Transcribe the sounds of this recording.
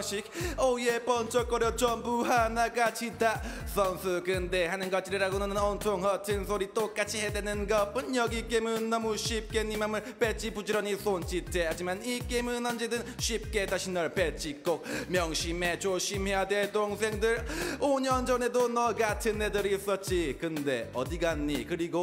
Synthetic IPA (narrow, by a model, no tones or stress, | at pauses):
ɕʰik̚ʌiepʌnt͡ɕ͈ʌk͈ʌɾjʌt͡ɕʌmbuɦanaɡat͡ɕʰidasʰʌnsʰɯkɯnde̞hanɯnɡʌt͡ɕ͈iɾiɾaɡonʌnɯnʌnt͡ɕʰoŋhʌtʰɯnsʰoɾit͈ok͈at͡ɕʰiɦedwenɯnɡʌp͈ɯnjʌɡik͈emɯnːʌmuɕʰip̚k͈e̞ɲimamɯɭpet͡ɕ͈ʰipud͡ʑiɾʌɲisʰont͡ɕ͈itʰehad͡ʑimanik͈emɯnʌnd͡ʑedɯnɕʰɥip̚k͈e̞taɕʰinːʌɭpet͡ɕ͈ik͈ok̚mjʌŋɕʰime̞t͡ɕoɕʰimɦe̞jadwetoŋs̬ʰe̞ŋdɯɾoɲʌnd͡ʑʌne̞donʌɡatʰɯnːe̞dɯɾiːs͈ʌt̚t͡ɕ͈ikɯnde̞ʌdiɡanːikɯɾiɡo